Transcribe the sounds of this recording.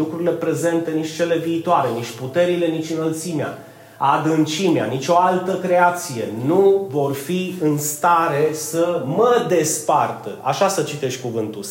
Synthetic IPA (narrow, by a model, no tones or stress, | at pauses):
lukɾurile̞pɾe̞ze̞nt̪e̞nit͡ʃʲt͡ʃe̞le̞viːt̪oaɾe̞nit͡ʃʲput̪e̞ɾile̞nit͡ʃʲɨnəlt̪simea̰ | ad̪ɨnt͡ʃimea̰nit͡ʃʲo̞alt̪əkɾe̞at̪sije̞nuvo̞rfiɨnst̪aɾe̞səməd̪e̞spart̪əa̰ʃasət͡ʃit̪e̞ʃʲkuvɨnt̪u